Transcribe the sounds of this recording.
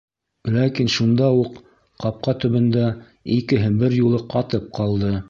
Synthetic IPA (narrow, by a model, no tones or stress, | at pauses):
lækinʃund̪ɑuq | qɑp̚qɑt̪ɵ̆βɘ̆nd̪æ | ikɘ̆ɦɘbɘɾjulˠɤqɑt̪ɤp̚qɑlˠd̪ɤ